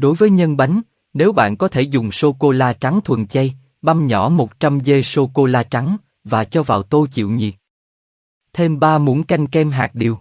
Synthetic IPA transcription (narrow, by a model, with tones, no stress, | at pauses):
ɗo˨˦jvəː˨˦jɲə˧nɓa˨˦jŋ̟ | ne˨˦wɓa̰ː˧˨nkɔ˨˦t̪ʰe˧˩zʊ˨˩ŋ͡mso˧ko˧laː˧t͡ɕa˨˦ŋt̪ʰwə̰˧˨nt͡ɕa˧j | ɓa˧mɲɔ˧˩˥mo˨˩t̚t͡ɕa˧mze˧so˧ko˧laː˧t͡ɕa˨˦ŋ | vaː˨˩t͡ɕɔ˧vaː˨˩wt̪o˧jt͡ɕḭ˧˨wɲḭ˨˩t̚ | t̪ʰe˧mɓaː˧mu˨˦ənka˧jŋ̟kɛ˧mɦa̰ː˨˩k̚ɗi˨˩əw